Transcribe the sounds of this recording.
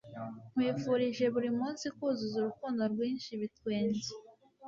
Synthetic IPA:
m̥wiːfuɾiʒe̞βuɾimuːnsikuːzuzuɾukuːndo̞ɾɡwiːnʃiβitkweːnze

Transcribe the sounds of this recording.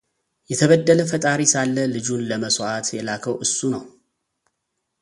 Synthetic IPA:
jɛt̪ʰəβəd̪ːələfət̪ʼaɾisalːəlɨd͡ʒunləməsoʔat̪jɛlakʰəwʔɨsːunəw

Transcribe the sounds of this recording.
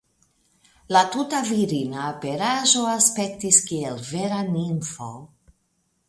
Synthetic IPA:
latutaviɾinapeɾaʒo̞aspe̞ktiskielveɾaninfo̰

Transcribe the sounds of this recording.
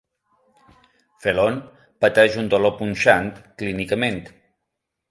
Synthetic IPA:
felon | pət̪ɛʒund̪olopunʲʃant̪klinikəment̪

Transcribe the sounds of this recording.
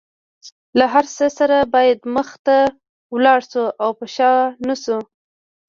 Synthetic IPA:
laɦaɾsəsaɾabɑjad̪məxt̪a | wlɑɽsuʔawpəʃɑnasu

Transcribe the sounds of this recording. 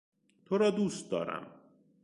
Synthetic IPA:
t̪ʰoɾɒːd̪uːst̪̚d̪ɒ̰ːɾæ̰m

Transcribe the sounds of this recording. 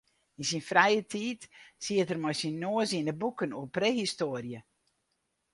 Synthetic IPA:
insinfrɛjətʰiːtsiətərmɔjsinːoəzinəbukənuəprehistoərjə

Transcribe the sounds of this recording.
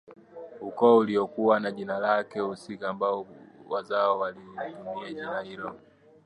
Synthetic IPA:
ukɔuliɔkuwanaʄinalakɛusikaːmbaɔwazaɔwalitumiaʄinahilɔ

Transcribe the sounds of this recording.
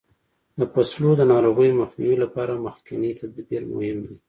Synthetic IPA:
d̪əpaslod̪ənɑɾoɣəjmaxniwilapɑɾaməxkɪnet̪ad̪ɑbiɾmʊ̰hɪmd̪i

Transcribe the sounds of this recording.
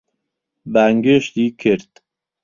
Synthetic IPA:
bæŋɡeʃd̪ikʰeɾt̪

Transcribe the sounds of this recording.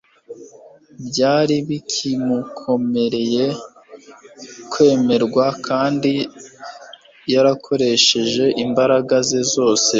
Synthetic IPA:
bɟaːɾiβikʰimukʰo̞me̞ɾe̞je̞ | kwe̞ːme̞ɾɡwakaːndi | jaɾakʰo̞ɾe̞ʃe̞ʒe̞ʔimbaɾaɡazezo̞ːse̞

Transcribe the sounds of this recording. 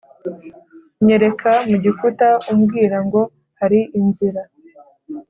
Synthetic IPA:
ɲe̞ɾe̞kʰamuɟifutaumɡiːɾaŋɡo̞ | haɾiʔinziɾa

